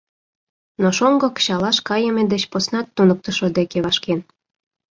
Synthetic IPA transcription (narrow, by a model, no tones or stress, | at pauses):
noʃoŋɡɤ̆kə̥ɕɑlɑʃkɑjemĕd̪ĕt͡ɕposnɑt̪ːunək̚t̪ə̆ʃod̪ekeβɑʃken